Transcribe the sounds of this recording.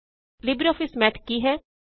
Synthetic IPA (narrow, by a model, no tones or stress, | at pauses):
libɾiɔːfɪsmɛʈ̪ʰkiːɦɛː